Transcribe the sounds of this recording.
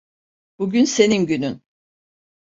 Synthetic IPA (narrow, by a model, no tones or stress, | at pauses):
b̥uɟynse̞ninɟynyn